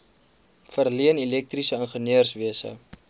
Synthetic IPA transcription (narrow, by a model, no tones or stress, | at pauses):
fərliənilɛk̚trisəənχəniərsviəsə̰